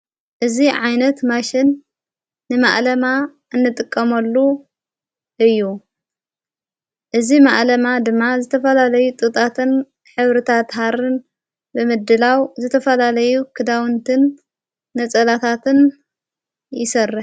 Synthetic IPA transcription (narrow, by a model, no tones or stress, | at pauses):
ʔɨziʕajnɐt̪maʃɪnː | ɨma̰ʔlɐma | ʔɨnːɨt̪ʼɨkʼːɐmɐlːu | ʔɨjːu | ʔɨzimaʔlɐmad̪ɨmːazɨt̪ʰɐfɐlalɐjut̪ʼɨt̪ʼat̪ʰɨn | ħɨβɾɨt̪ʰat̪ɦaɾɨn | bɨmɨd̪ːɨlawzɨt̪ʰɐfɐlalɐjukʰɨd̪awɨnt̪ʰɨnː | ɐt͡sʼɐlat̪ʰat̪ʰɨn | jɪsɐrːɨħ